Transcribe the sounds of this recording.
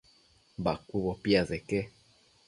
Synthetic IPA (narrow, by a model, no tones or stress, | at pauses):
bakuβɔpiazɛkɛ